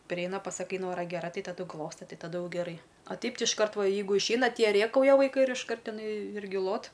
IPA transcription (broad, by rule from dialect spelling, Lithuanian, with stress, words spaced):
pʲrʲɪˈɛɪnɐ pɐsɐˈkɐɪ ˈnoːrɐ ɡʲɛˈrɐ ˈtɐɪ tɐˈdʊ ˈɡlˠoːstɐ ˈtɐɪ tɐˈdʊ ˈjɛʊ ɡʲɛˈrɐɪ ɐ ˈtʲɛɪp ˈtʲɪ ɪʃˈkɐrt ˈʋɐ ˈjɛɪɡʊ ɪʃʲˈɛɪnɐ ˈtʲiɛ ˈrʲeːkɐʊjɛ ʋɐɪˈkɐɪ ɪr ɪʃˈkɐrt ɪˈnɐɪ ˈɪrʲɡʲɪ ˈlˠoːt